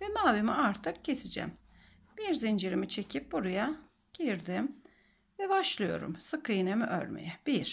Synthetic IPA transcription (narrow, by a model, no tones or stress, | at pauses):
vɛmaːvimiaɾt̪ʰɯk̚cʰːe̞sid͡ʒɛ̰m | b̥iɾzind͡ʒiɾimit͡ʃʰe̞cʰip̚buɾaja | ɟ̥iɾd̪im | vɛbaʃlˠɯjo̞̰ɾṵmsɯkʰɯjɯnemiʔø̰ɾmḛjɛb̥iɾ̥